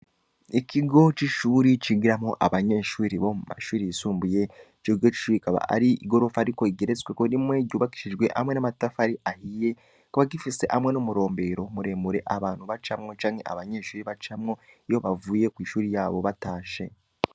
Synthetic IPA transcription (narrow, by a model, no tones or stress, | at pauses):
ikiɡo̞t͡ʃiʃuːɾit͡ʃiɡiɾamoʔa̰βaɲe̞ːʃuːɾiβomuma̰ʃuːɾijisuːmbuje̞ | t͡ʃoɡot͡ʃi̥ʃuːɾikaβa̰a̰ɾiḭɡo̞ɾo̞faaɾiko̞iɡeɾet͡swekonimwe̞ɟuːβaki̥ʃid͡ʒɡwe̞ʔa̰mwe̞namatafaɾiʔahije̞ | koβaɡifise̞ʔamŋe̞nomuɾo̞ːmbe̞ɾo̞muɾe̞muɾe̞ʔaβaːn̥huβat͡ʃamŋo̞t͡ʃaːŋhe̞ʔa̰βaɲe̞ːʃuːɾiβat͡ʃamŋo̞ijoβavuːje̞kwiːʃuːɾijaːβo̞βataːʃe̞